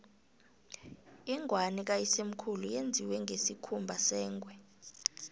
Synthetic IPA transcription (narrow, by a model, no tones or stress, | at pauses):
iŋʱwanik̬ajisem̩kʰulujend͡zʱiwɛŋɡʱesikʰumbʱasɛːŋɡʱwɛ